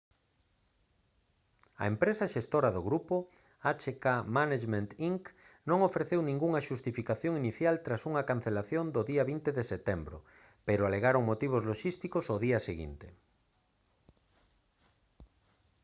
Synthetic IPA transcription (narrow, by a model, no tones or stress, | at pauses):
ɐ̰empɾesaʃest̪oɾɐðoɣɾupo | at͡ʃekamanaʃmẽnt̪iŋk | nõŋofɾeθewnĩŋɡuŋɐʃust̪ifikaθjoŋiniθjalt̪ɾasuŋɐkan̟θelaθjond̪oðiɐβint̪eðeset̪embɾo̰ | peɾoaleɣaɾoŋmot̪iβ̞ozloʃist̪ikosoðiɐseɣḭnt̪e